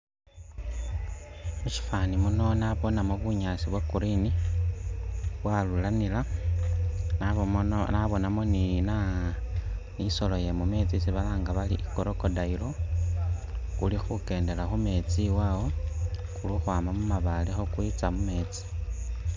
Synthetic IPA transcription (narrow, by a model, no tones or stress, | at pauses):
muʃi̥fanimuno̞naβo̞namoβuɲaːsiβwekuɾini | βwalulanila | naβo̞namonina | niso̞lo̞je̞mume̞ːt͡sisiβalaːŋɡaβaliʔikoɾokodailo̞ | kulixuke̞ːnde̞laxume̞t͡siwawo̞kuluxwaːmamumaβalexokwit͡samume̞ːt͡si̥